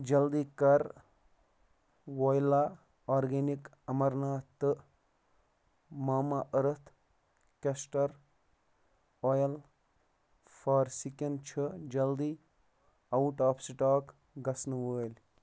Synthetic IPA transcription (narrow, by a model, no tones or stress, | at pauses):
d͡ʒɐld̪ikɐɾ | wojlaː | aːɾɡenik | ɐmɐɾnaːt̪ːɨʔ | maːmaʔəɾət̪ʰ | kɐsʈɐɾ | ojɐl | fʰaːɾsikɐnt͡ʃʰid͡ʒɐld̪iː | ɐuʈaːpsiʈaːk | ɡɐsnʋəːlʲ